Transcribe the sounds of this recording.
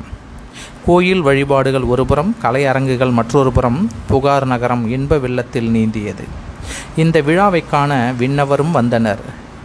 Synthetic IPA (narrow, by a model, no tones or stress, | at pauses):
koːjɪlʋɐɻɪbaːɽɯɣɐɭɔɾɯbɯɾɐmkɐlɐɪɐɾɐŋɡɯɣɐɭmɐʈrɔɾɯpɯɾɐmpʊɣaːɾnɐɣɐɾɐmɪɳbɐʋɪɭːɐt̪ːɪlniːnd̪ɪjɐðɯ̰ɪnd̪ɐʋɪɻaːʋɐɪkːaːnɐʋɪɳːɐʋɐɾɯmʋɐnd̪ɐnɐ̰ɾ